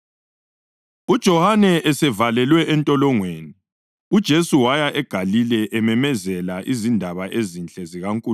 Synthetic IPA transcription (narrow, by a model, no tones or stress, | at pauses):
ud̥ʒ̥ʱɔhanɛɛsɛvalɛlwɛʔɛntʼɔlɔŋweːni | ud̥ʒ̥ʱesuwajaʔɛɡ̥ʱalilɛʔɛmɛmɛzɛlaʔizindʱaβaʔezint͡ɬʼɛziɣaŋkʼu